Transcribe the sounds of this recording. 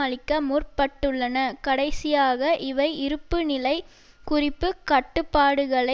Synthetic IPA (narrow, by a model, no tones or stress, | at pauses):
ɐɭɪkːɐmuːrpɐʈːɯɭːɐnɐkɐɽɐɪsɪjaːɣɐʔɪʋɐɪʔɪɾɯpːɯnɪlɐɪ | kʊrɪpːɯkɐʈːɯpːaːɽɯɣɐɭɐ